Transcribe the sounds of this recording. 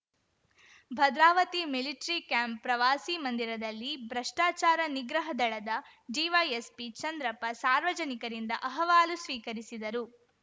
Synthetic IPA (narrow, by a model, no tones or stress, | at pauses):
bʱɐd̪ɾaːʋɐt̪imiliʈɐɾikjaːmpːɾɐʋaːsimɐnd̪iɾɐd̪ɐlːibɾɐʂʈaːt͡ʃaːɾɐniɡɾɐɦɐd̪ɐɭɐd̪ɐɖiːʋɐjespit͡ʃɐnd̪ɾɐpɐsaːɾʋɐd͡ʒɐnikɐɾind̪ɐʔɐɦɐʋaːlusʋiːkɐɾisid̪ɐɾu